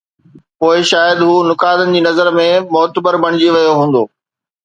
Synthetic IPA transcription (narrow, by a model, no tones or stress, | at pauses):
poːɪʃaːjəd̪ɦuːnʊkaːd̪ənɪ̆d͡ʑiːnɐzəɾmẽmʊɦt̪əbəɾbɐɽ̃ɪd͡ʑiʋɐjoɦũːnd̪oː